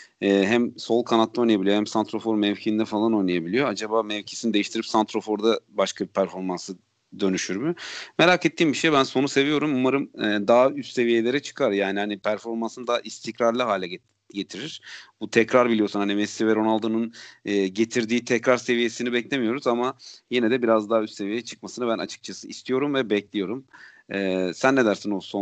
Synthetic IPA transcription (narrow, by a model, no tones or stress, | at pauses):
ɛːɦæmso̞lˠkʰanat̪ʰːˠao̞jnajabilijohæmsant̪ɾo̞fo̞ɾmɛvcʰiind̪ɛfalˠano̞jnajabilʲijo̞ad͡ʒabaːmɛvcʰi̥sinid̪e̞jiʃt̪ʰiɾipsant̪ɾo̞fo̞ɾd̪abaʃkʰabipʰæɾfo̞ɾmansɯ | d̪ø̞nyʃyɾmyme̞ɾaːket̪ːiːmbiʃe̞jbænso̞nuse̞vijo̞ɾumumaɾɯmɛːd̪aːyst̪se̞vije̞lʲe̞ɾɛt͡ʃʰɯ̥kʰaɾjaːnihanipʰæɾfo̞ɾmansɯnd̪aʔist̪ʰicɾaɾlˠaɦaːlʲɛ | ɟe̞t̪ʰiɾiɾ̥but̪ʰɛcɾaɾbilʲijo̞sunhanimɛsivɛɾo̞nalˠd̪ɯnɯnːɟe̞t̪ʰiɾd̪iːt̪ʰɛcɾaɾse̞vije̞sinibɛclʲe̞mijo̞ɾuzamaje̞nɛd̪ɛbiɾazd̪aːyst̪se̞vijejɛt͡ʃʰɯ̥k̚masɯnɯbæna̰t͡ʃʰɯ̥k̚t͡ʃʰasɯist̪ʰijo̞ɾumvɛbɛclʲijo̞ɾum | ɛːsænːed̪æɾsinoso